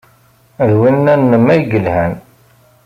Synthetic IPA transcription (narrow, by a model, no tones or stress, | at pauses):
ðwinːænːəmːæjɡəlhæn